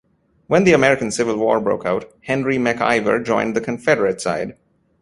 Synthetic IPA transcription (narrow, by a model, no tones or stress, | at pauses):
wə̃nðiəmɛɹɪkə̃n̩sɪvəlˠwɔːɹbɹo̰ʊkaʊt̚hɛ̃nɹimæka̰ɪvə̰ɹd͡ʒɔ̰̃ɪ̃nðɨkʰɨ̃ɱfɛɾəɹɨtsaɪd